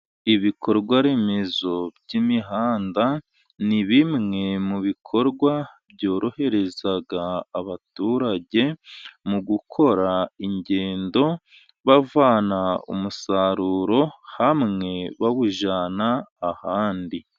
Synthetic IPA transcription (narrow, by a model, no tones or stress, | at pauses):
iβikʰo̞ɾɡwaɾe̞me̞zo̞bɟimiɦaːnda | niβimŋe̞muβikʰo̞ɾɡwabjo̞ːɾo̞he̞ɾe̞zaɡaːβatuːɾaɟe̞muɡukʰo̞ɾaiɲɟe̞ːndo̞ | βavaːnaṵmusaɾuːɾo̞hamŋe̞βaβuʒanaːhaːndi